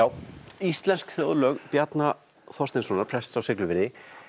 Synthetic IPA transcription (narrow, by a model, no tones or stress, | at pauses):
jaːwist̪lɛnskθjɔːðlœːɣpjat̪na | θɔst̪ɪnsvɔːnaɾpʰɾ̥ɛst̪ːsawsɪklʏvɪɾðɪ